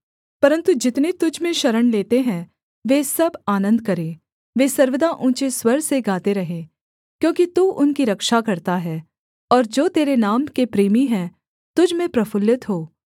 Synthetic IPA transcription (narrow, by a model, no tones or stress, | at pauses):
pɐɾə̃nt̪ud͡ʒɪt̪net̪ʊd͡ʒʱmẽʃɐɾəɽleːt̪eɦɛ̃ | ʋeːsɐbaːnə̃nd̪̚kɐɾẽː | ʋeːsɐɾʋəd̪aʔũːt͡ʃeswɐɾseɡaːt̪eɾɐɦẽː | kjõːkit̪uːʔʊnkiɾɐkʃakɐɾt̪aɦɛː | ɔːɾd͡ʒoːt̪eːɾenaːmkepɾiːmiɦɛ̃ː | t̪ʊd͡ʒʱmẽpɾɐfʰʊljɪt̪ɦoː